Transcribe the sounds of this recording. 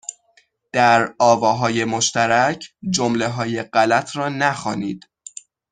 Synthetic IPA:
d̪̥æɾɒːvɒːɦɒːje̞moʃt̪æɾæcʰd͡ʒomle̞ɦɒːje̞ɢælæt̪ʰɾɒːnæxɒːnḭːd̪̥

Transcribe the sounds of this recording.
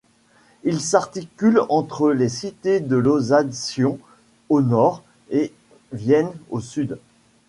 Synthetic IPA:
ilsaʁt̪ikʲylɑ̃t̪χəlesit̪ed̪əlozad̪sjɔ̃ | onɔʁ | e | vjɛnosyd̪

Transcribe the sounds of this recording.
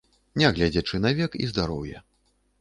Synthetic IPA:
nʲaɣlʲad͡zʲɛt͡ʂɨnavʲɛkḭzd̪aɾɔwjɛ

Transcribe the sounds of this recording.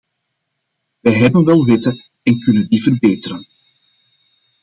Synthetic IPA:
ʋɛjɦɛbənʋɛlˠʋɪtə | ɛnkɵnəndivərbeːtəɾən

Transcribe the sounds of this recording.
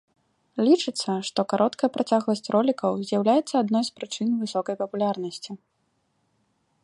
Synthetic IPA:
lʲit͡ʂɨt̪sːɐʂt̪ɔkaɾɔt̪kɐjɐpɾʔat͡sʲaɣlˠɐsʲt͡sʲrʔɔlʲikɐwzʲjawlʲajɛt̪sːɐad̪nɔjspɾɨt͡ʂɨnvɨsɔkɐjpɐpulʲarnɐsʲt͡sʲi

